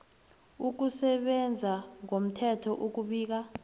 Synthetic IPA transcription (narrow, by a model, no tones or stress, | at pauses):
uk̬usɛɓɛnd͡zʱaŋom̩tʰɛtʰɔʔuk̬uɓiːk̬a